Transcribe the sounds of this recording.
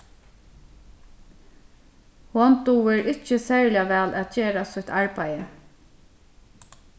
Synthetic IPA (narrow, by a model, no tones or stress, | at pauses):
hɔnt̪uʋɛɹɪt͡ʃəsæːɹlɪaʋɛːlʔæt̪̚t͡ʃeːɾasʊt̪ʰaɹpajə